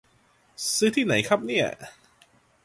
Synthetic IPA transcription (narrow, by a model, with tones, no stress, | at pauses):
sɯː˦˥t̪ʰiː˥˩na˩˦jkʰɾa˦˥p̚ni˥˩ɐ